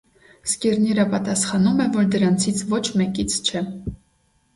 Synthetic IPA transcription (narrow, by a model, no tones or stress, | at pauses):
skɛɾnɛɾəpɑt̪ɑsχɑnumɛvɔɾd̪əɾɑnt͡sʰit͡sʰvɔt͡ʃʰmɛkit͡sʰt͡ʃʰɛ